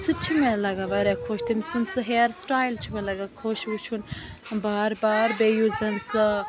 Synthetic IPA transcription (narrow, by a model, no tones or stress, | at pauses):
sɨt͡ʃʰimelɐɡaʋɐɾekʰoːʃt̪ʰimsɨnsɨɦeːɾsʈaːjlt͡ʃʰimelɐɡakʰoːʃut͡ʃʰunbaːɾbaːɾbejuzɐnsɨ